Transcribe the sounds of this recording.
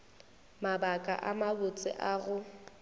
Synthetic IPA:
mabakʼa̰ʔamabʊt͡sʼɪ̰ʔaɣʊ

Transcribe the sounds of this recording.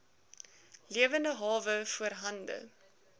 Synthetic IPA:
liəvəndəɦɑːvəfuəɾɦɐndə̰

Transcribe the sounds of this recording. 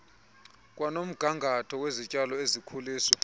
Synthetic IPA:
kʼwanom̩ɡ̥ʱaŋɡʱatʰɔwezit͡ʃʼalɔezikʰuliːswa

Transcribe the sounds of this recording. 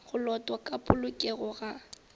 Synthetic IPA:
ɣʊlɔtʼwakʼapʼʊlʊkʼɛɣʊɣa

